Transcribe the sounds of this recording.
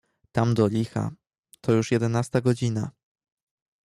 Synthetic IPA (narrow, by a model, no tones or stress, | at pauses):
t̪amd̪ɔlʲixa̰ | t̪ʰɔjuʂjɛd̪ɛnast̪aɡɔd͡ʑina